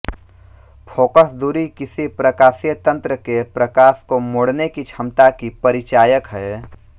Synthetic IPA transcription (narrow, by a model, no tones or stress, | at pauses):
fʰoːkəsd̪uːɾikɪsipɾəkaːsijət̪ə̃nt̪ɾəkepɾəkaːskomoɽnekit͡ʃʰɐmt̪akipɐɾɪt͡ʃaːjəkɦɛː